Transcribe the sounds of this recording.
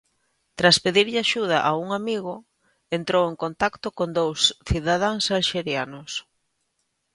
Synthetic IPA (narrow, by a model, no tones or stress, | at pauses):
t̪ɾaspeðiɾʎaʃuð̞aʔauŋamiɣʊ | ent̪ɾoweŋkont̪akt̪okond̪owsθiðað̞aŋsalʃeɾjanʊs